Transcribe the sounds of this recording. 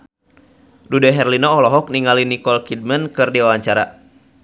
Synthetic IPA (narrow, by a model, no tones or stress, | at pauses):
dudɛɦɛrlinɔɔlɔɦɔk̚niŋalinikɔlkid̚mənkɨrdiwawaɲt͡ʃaɾa̰